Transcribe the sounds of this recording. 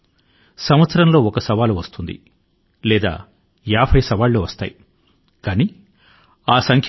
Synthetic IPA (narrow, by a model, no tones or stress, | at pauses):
sɐmʋɐt̪sɐɾɐmlo̞ːɔkɐsɐʋaːluʋɐst̪und̪ḭ | lɛːd̪a̰ː | jaːpʰɐjsɐʋaːlːoːʋɐst̪a̰ːji | kaːniː | aːsɐŋkʰ